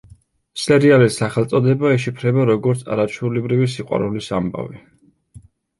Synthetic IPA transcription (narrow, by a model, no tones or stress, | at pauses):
sɛɾialisaχɛlˠt̪sʼɔd̪ɛbaɛʃipʰɾɛbaɾɔɡɔɾt̪sʰa̰ɾat͡ʃʰwɛulɛbɾivis̬iqʼwa̰ɾɛlisamba̰vi